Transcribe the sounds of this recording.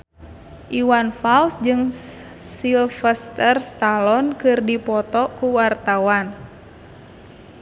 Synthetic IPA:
ʔiwanfalsd͡ʒɨŋ | silfɛst̪ərst̪alɔnkɨrdipɔt̪ɔkuwart̪awan

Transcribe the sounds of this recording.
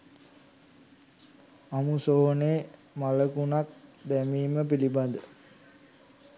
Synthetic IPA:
amusoɦoneː | maləkunak̚d̪æmiːməpiliband̪ə

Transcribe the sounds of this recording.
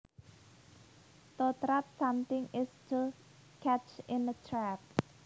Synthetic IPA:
t̪ot̪ɾat̪̚samt̪ɪŋɪstʰu | kʰæt͡ʃɪ̃nətʰɾæp̚

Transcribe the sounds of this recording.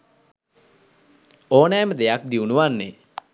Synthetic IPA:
oːnɛːməd̪ejak̚d̪iunuʋanːe

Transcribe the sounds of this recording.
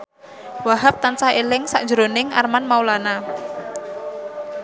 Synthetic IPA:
waɦap̚t̪ant͡ʃaelɪŋsa̰ʔd̥d͡ʒəɾonɪŋa̰rmanmawlana

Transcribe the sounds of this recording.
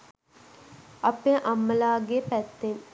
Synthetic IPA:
ɐpeʔamːəlaːɡepæt̪ːen

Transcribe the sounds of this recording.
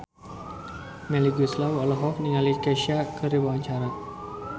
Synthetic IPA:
mɛliɡuslawɔlɔɦɔfniŋalikeʃiakəɾibawaɲt͡ʃaɾa

